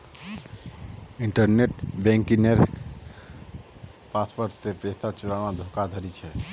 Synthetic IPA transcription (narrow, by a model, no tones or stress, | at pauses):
iɳʈəɾneʈbɛ̃ŋkineɾ | paspəɾsepesat͡ʃuɾanad̪ʱokad̪ʱəɾit͡ʃʰɛ